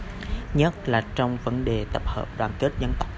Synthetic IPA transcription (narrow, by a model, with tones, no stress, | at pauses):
ɲə˦˥t̚laː˨˩t͡ɕɔ˧wŋ͡mvə˨˦nɗe˨˩t̪ə˨˩p̚hə̰ː˨˩p̚ɗwaː˨˩nke˦˥t̚zə˧nt̪a˦˥wk͡p̚